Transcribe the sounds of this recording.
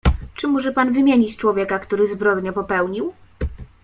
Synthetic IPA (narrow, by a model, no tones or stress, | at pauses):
t͡ʂɘmɔʐɛpanvɘmʲjeɲit͡ɕt͡ʂwɔvʲjɛkakt̪uɾɘzbɾɔd̪ɲɔpɔpɛwɲiw